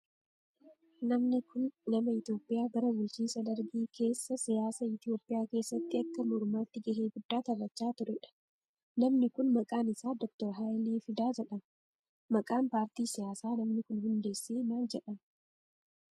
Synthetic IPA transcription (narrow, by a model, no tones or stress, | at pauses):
nɐmnɪkʊnːɐmɐɪt̪jo̞ːpʼːɪjaːɡɐɾɐbʊlt͡ʃinsɐd̪ɐɾɡiːkʰe̞ːsːɐsɪjaːsɐɪt̪ɪjo̞ːpʼːɪjaːke̞ːsːɐt̪ːɪɐkːɐmʊɾmaːt̪ːɪɡɐɦeːɡʊd̪ːaːt̪ɐbɐt͡ʃːaːt̪ʊɾɛᶑɐ̥ | nɐmnɪkʊnmɐkʼaːnɪsaːd̪ɔk̚t̪ɔɾɦajliːfɪd̪aːd͡ʒɛᶑɐm | mɐkʼaːnpaːɾt̪iːsɪjaːsaːnɐmnɪkʊnhʊnd̪e̞ːsːeːnaːld͡ʒɛᶑɐm